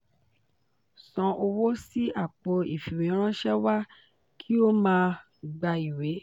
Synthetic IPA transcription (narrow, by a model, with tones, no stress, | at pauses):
sɔ̃˧ʔo˧wo˦si˦a˦˨k͡pɔ˧i˨fi˨ɾe˨˦ɾ̃ã˦ʃɛ˦wa˦ | kʰi˦o˦mãː˧ | ɡ͡ba˧i˨we˨˦